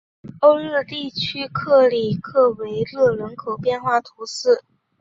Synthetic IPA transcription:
o˥˧ʊɻɤ˥˧t̪i˥˩t͡ɕʰy˥kʰɤ˥˩li˨˩kʰɤ˥˩we˧˥ɪlɤ˥˩ɻə˧˥nkʰo˨˩ʊpjɛ˥˧nxwa˥˩t̪ʰu˧˥ʂɹ̩˥˩

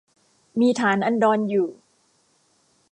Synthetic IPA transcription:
miː˧t̪ʰaː˩˦nʔa˧ndɔː˧njuː˨˩

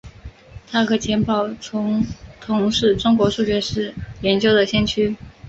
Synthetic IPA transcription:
t̪ʰa˥kʰɤ˧˥t͡ɕʰjɛ˧˥npɑ˨˩ʊʊ˧˥ŋt̪ʰʊ˧˥ŋʂɻ̩˥˩ʈ͡ʂʊ˥ŋkwɔ˧˥ʂu˥˩t͡ɕɥɛ˧˥ʂɻ̩˥˩jɛ˧˥nt͡ɕjo˥ʊd̪ə˨ɕjɛ˥nt͡ɕʰy˥

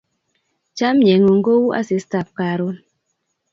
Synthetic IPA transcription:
t͡ʃa˦mɲe˨ŋu˨ŋ˦ɡo˦wu˦ʔa̰˦si˨sta˨p̚ka˨ɾo˦n

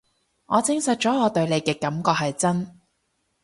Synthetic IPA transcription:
ŋɔː˨˧t͡sɪ˨˧ŋsɐ˨t̚t͡ʃɔː˨˥ŋɔː˨˧t̪ɵ˧ɥle˨˧jkɛː˧kɐ˨˥mkɔː˧k̚ɦɐ˨jt͡sɐ˥n

